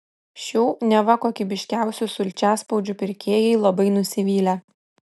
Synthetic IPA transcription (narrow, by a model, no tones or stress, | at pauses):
ʃʲuːnʲɛʋɐkoːkʲɪbʲɪʃʲkʲæˑʊsʲusʊlʲt͡ʃʲæːspɐʊd͡ʒʲupʲɪɾʲkʲeːjɛɪlˠɐbɐɪnʊsʲɪʋʲiːlʲɛ